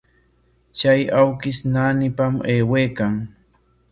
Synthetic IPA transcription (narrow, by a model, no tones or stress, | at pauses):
t͡ʃajawkɪsnaːnɪpameːwejkaŋ